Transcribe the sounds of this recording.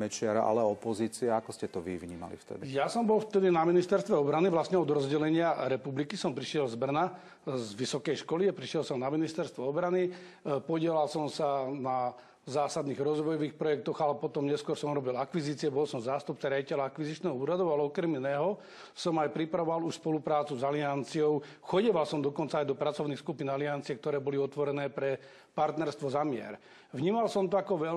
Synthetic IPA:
mɛt͡ʃɪaɾaʔa̰lɛɔpɔziːt͡siaakɔscɛt̪ɔʋḭvɲiːma̰lḭft̪ɛ̰d̪ijasɔmbɔlft̪ɛd̪inaminist̪ɛɾst̪ʋɛɔbɾaniʋlasɲɛɔd̪ɾɔzɟɛlɛɲɪaɾɛpublikisɔmpɾiʃjɛlzbr̩na | zʋisɔkɛjʃkɔliapɾiʃɪɛlsɔmnaminist̪ɛɾst̪ʋɛɔbɾani | pɔɟɪɛlalsɔmsana | zaːsad̪niːɣɾɔzʋɔjɔʋiːxpɾɔjɛk̚t̪ɔɣalɛpɔt̪ɔmɲɛskʊɔɾsɔmuɾɔbilakʋiziːt͡sɪɛbɔlsɔmzaːst̪up̚t͡saɾɪjaɟicɛʎaakʋiziːt͡ʃnɛːɦɔuːɾad̪ɔʊalɛɔkɾɛminɛːɦɔ | sɔmajpɾipɾaʋɔʋaluʃspɔlupɾaːt͡suzaliant͡siɔʊ | xɔɟɛʋalsɔmd̪ɔkɔnt͡saːjd̪ɔpɾat͡sɔʊnixskupinaliant͡siɛk̚t̪ɔɾɛːbɔliɔt̪ʋɔɾɛnɛːpɾɛ | paɾt̪nɛɾst̪ʋɔzamɪɛ̰ɾ | ʋɲiːmalsɔmt̪ɔakɔʋɛ

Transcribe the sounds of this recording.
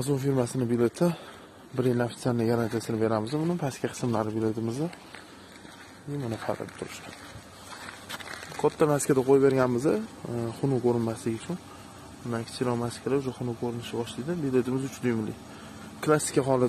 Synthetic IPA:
azomfiɾmasɪnɪbilʲe̞t̪ʰɪ | bɪɾejnaft̪sʲanːɪɡaɾant̪ʰiasɪnɪbe̞ɾamɪzd̪ɪmʊnapʰaskʲaqʰɨ̥smlaɾɪbilʲet̪ʰɪmɪzɪ | imanafʰa̰ɾa̰t̪ʰʊɾɪʃkʲan | kʰɒt̪ʰːamaskʲʰad̪aqʰojbe̞ɾɡʲanmɪzd̪ɪχʊnʊkʰoɾɪnmaslɪɡʲʊt͡ʃʰʊn | ɪmakʲʰɪ̥t͡ʃʰʲɪlɒmaskʲʰad̪aʊʃaχʊnʊkʰoɾɪnɪʃɪbɒʃlɪd̪ɪbile̞t̪ʰɪmɪzʊt͡ʃʰd̪ʊjɪmlɪ̰ | klˠasːɪ̥kʲaɦɒlˠa

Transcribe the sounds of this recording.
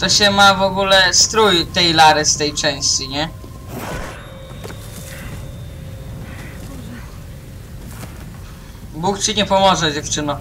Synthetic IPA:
t̪ɔɕɛmavɔɡulɛst̪ɾujt̪ɛjlaɾɘst̪ɛjt͡ʂɛ̃w̃ɕt͡ɕiɲɛ | bukt͡ɕiɲɛpɔmɔʐɛd͡ʑɛft͡ʂɘnɔ

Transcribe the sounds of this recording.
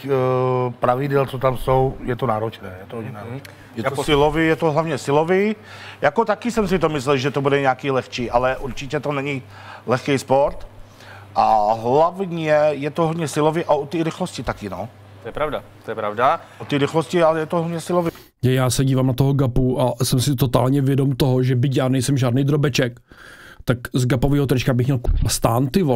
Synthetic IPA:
pɾavɪdɛlt͡sot̪amsowjɛt̪onaːɾot͡ʃnɛːjɛt̪oɦodɲɛnaːɾot͡ʃnɛ | jɛosɪlovijɛt̪oɦlavɲɛsɪlovi | jakot̪akɪsɛmsɪt̪omɪslɛlʒɛt̪obudɛɲɛakiːlɛxt͡ʃiːʔalɛʔuɾt͡ʃɪcɛt̪onɛɲɪ | lɛxkɛjspo̞ɾt̪ | ʔaɦlavɲɛjɛt̪oɦod̪ɲɛsɪlovjɛʔaot̪iːɾɪxloscɪt̪akɪno | t̪ojɛpɾavdat̪ojɛpɾavdaʔot̪iːɾɪxloscɪalɛjɛt̪oɦod̪ɲɛsɪlovɪ | ajaːsɛɟiːvamnat̪oɦoɡapuʔasɛmsɪt̪ot̪aːlɲɛvjɛdo̞mt̪oɦoʒɛbɪc̬jaːnɛjsɛmʒaːdnɛjd̪ɾobɛt͡ʃɛkt̪akzɡapoviːɦot̪ɾɛt͡ʃkabɪxmɲɛlkust̪aːnt̪ɪvo

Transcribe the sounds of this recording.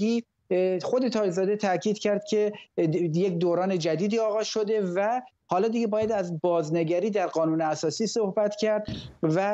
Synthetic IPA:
iː | xo̞d̪e̞t̪ʰɒːzɒːd̪e̞t̪ʰæcʰiːd̪cʰæɾd̪̥̚cʰe̞ | jecd̪oːɾɒːne̞d͡ʒæd̪iːd̪iːɒːɣɒːz̥ʃo̞d̪e̞væ | hɒːlɒːd̪iɡebɒːjæd̪æzbɒːzneɡæɾiːd̪æɾɢɒːnuːneæsɒːsiːso̞hbæt̪cʰæɾd̪væ

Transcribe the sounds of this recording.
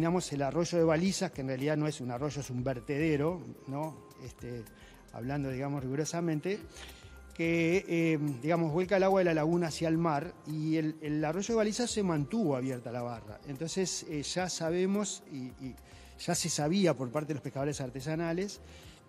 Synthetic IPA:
namo̞selaro̞ʒo̞ð̞eβalisakenrealiðanoesunaro̞ʒo̞esumbeɾt̪eðeɾo̞no | est̪e | a̰βland̪o̞ðiɣamosriɣuɾosamẽnt̪e | keemd̪iɣamozβwelkaelaɣwaðelalaɣunaːsjalmaɾielelaro̞ʒo̞ðβalisassemãnt̪uβoaβjeɾt̪oalaβara̰ent̪o̞nseseʒ̥asaβe̞mo̞si | ʒ̥ase̞saβiapo̞ɾpaɾt̪eðelopekaðolesaɾt̪es̬anales

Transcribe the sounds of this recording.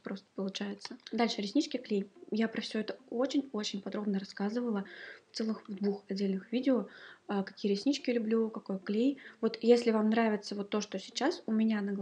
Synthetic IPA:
pɾo̞st̪ə̥pəlˠʊt͡ɕæjɪt̪səd̪alʲʂɨɾʲɪsʲnʲit͡ɕkʲɪklʲejjapɾəfsʲɵɛt̪əo̞t͡ɕɪnʲo̞t͡ɕɪnʲpɐd̪ɾo̞bnəɾɐskazɨvəlˠəft̪sɛlˠɨxvd̪vuxɐdʲːelʲnɨxvʲidʲɪoəkɐkʲijəɾʲɪsʲnʲit͡ɕkʲɪlʲʊblʲukɐko̞jklʲejvo̞t̪jesʲlʲɪvamnɾavʲɪt̪səvo̞t̪ːo̞ʂt̪osʲɪt͡ɕasʊmʲɪnʲanəɡ

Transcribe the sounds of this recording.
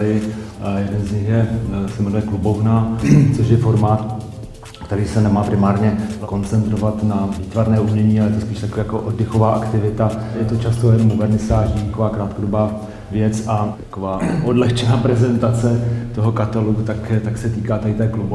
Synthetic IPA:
ɪjɛdɛnzɲɪxjɛsɛmɛnujɛklubo̞vnaːt͡so̞ʃjɛfo̞ɾmaːt̪ | kt̪ɛɾiːsɛnɛmaːpɾɪmaːɾɲɛko̞nt͡sɛnt̪ɾo̞vat̪naviːt̪vaɾnɛːʔumɲɛɲiːalɛjɛt̪ospiːʃt̪akoaːjakoʔodːɪxo̞vaːʔakt̪ɪvɪt̪ajɛt̪o̞t͡ʃast̪ojɛnmovɛɾnɪskaːʒidikovaːkɾaːt̪kodobaː | vjɛt͡sat̪ḁkovaːʔodlɛxt͡ʃɛnaːpɾɛzɛnt̪at͡sɛt̪o̞ɦokat̪alut̪akt̪aksɛt̪iːkaːt̪adɪt̪ɛːklubo

